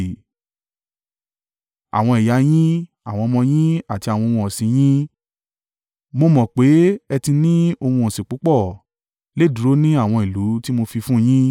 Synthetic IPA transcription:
a̰˨w̃ɔ̃˧i˨ja˨˦j̃ĩ˦ | a˨w̃ɔ̃˧mɔ̃˧j̃ĩ˦a˨ti˧a˨wɔ̃˧o˧wũ˧ɔ˨sĩ˧j̃ĩ˦ | mo˧mɔ̃˨k͡pe˨˦ɛ˧tĩ˧nĩ˦o˧hũ˧ɔ̃˨sĩ˨k͡pu˨˦k͡pɔ˦˨ | le˦˨du˨ɾo˦nĩ˦a˦˨w̃ɔ̃˧i˨lu˨˦ti˦mo˧fi˧fũ˦j̃ĩ˦

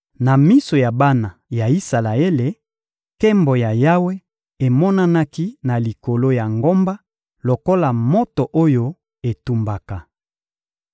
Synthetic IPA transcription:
na˨mi˦so˨ja˨ba˦na˨ja˨i˦sa˨la˨e˦le˨ | kɛ˦mbo˨ja˨ja˦we˦ | e˨mɔ˦na˦na˦ki˦na˨li˨ko˨lo˦ja˨ŋɡo˦mba˦ | lo˨ko˦la˨mo˦to˨ʔo˦jo˦ | e˨tu˦mba˨ka˨

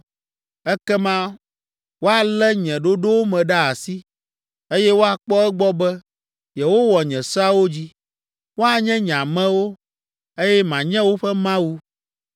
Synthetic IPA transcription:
ɛ˦kɛ˦mã˦ | wo˦a˨lɛ˦ɲɛ̃˨ɖo˦ɖo˦wo˦mɛ̃˨ɖa˦a˨si˦ | e˦jɛ˦wo˦a˨k͡pɔ˦ɛ˦ɡ͡bɔ˦bɛ˦ | jɛ˨wo˦wɔ˨ɲɛ̃˨sa˦wo˦d͡ʑi˦ | wo˦a˨ɲɛ̃˦ɲ˨ã˨mɛ̃˦wo˦ | e˦jɛ˦mã˨ɲɛ̃˦wo˦ɸɛ˦mã˦wu˦

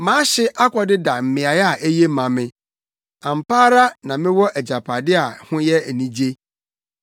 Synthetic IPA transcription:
mãː˨˦ɕɪ˦ʔa˦kʷʰɔ˨dɪ˦da˨m̩˨mɪ̃˨a˨ja˨ʔæ˦je˦mã˨mɪ̃˦ | ã˨m̩˨paː˦ɾa˦nã˨mɪ̃˦wɔ˦ʔæ˨d͡ʑa˨pʰa˨dɪ˦a˨hʊ̃˦jɛ˦æ˨nĩ˦d͡ʑe˦

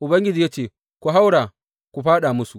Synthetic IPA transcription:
ʔu˨bɐ˦ŋɡʲɪ˦d͡ʒiː˨ja˦t͡ʃeː˨ | kʷu˨ɦa˦wɽa˨ | kʷu˨ɸaː˦ɗa˨mʊ˦su˨

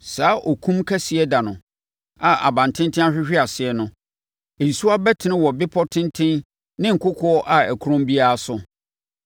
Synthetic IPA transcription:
saː˨˦ʔɔ˨kʰũ˦mkʰɛ˦sɪ˨ɛ˦da˨nʊ̃˨ | a˨ʔa̰˨bã˨n˨tʰɪ̃˦ntʰɪ̃˦a˦ɕᶣɪ˦ɕᶣɪ˦a˨sɪ˨ɛ˨nʊ̃˦ | e˨n̩˨su˦a˦bɛ˦tʰɪ˨nɪ̃˦wɔ˨bɪ˦pʰɔ˦tʰɪ̃˦ntʰɪ̃˦n | nɪ̃˦ŋ̩˨kʰʊ˦kʰɔ˦ɔ˦ʔa˨æ˨kʰu˦ɾõ˦mbi˦a˦a˦sʊ˦

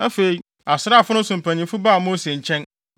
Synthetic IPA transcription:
a˦fe˨i˨ | a˨sɪ˨ɾa˦˨fʊ˦ʊ̃˦sʊ̃˨m̩˨pʰæ̃˨ɲĩ˨mfʊ˦baː˦˨mo˦se˨ɲ̩˨t͡ɕʰɛ̃˦n

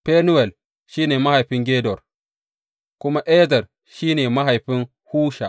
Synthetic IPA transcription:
pe˦nʊ˦wɛ˨l | ʃiː˦neː˨ma˦ha˨jɸɪ˦ŋɡʲeː˦dɔ˨r | kʷʊ˦ma˦ʔɛ˦zɐ˨r | ʃiː˦neː˨ma˦ɦa˨jɸɪ˦ŋ | huː˦ʃa˨

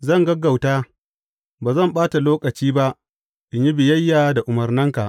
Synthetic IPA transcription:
zɐ˦˨ŋɡɐ˦ɡa˨wtaː˦ | baː˨zɐ˦˨mɓaː˦ta˨loː˦kʼɐ˨t͡ʃiː˦ba˦ʔ | ʔɪ˨ɲji˦bɪ˨jɐ˦jːaː˨da˨ʔʊ˨mɐ˨rnɐ˦ŋka˨ʔ

